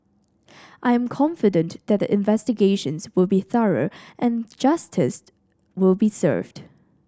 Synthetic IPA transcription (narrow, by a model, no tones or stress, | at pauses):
ʔaɪɨ̃mkʰɑ̃ɱfɨdɨ̃nðɨt̚ðiʔɪ̃nvɛstɨɡeɪʃə̃nzwɪlˠbiθʌɹə̰˞ʔɨ̃nd͡ʒʌstʰɪs | wɪlˠbisɜ̰˞vd̥